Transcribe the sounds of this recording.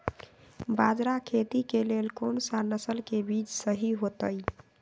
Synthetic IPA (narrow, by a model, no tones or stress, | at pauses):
bad͡ʒɾakʰet̪ikelelkonsanəsəlkebit͡ʃsəɦiɦot̪əj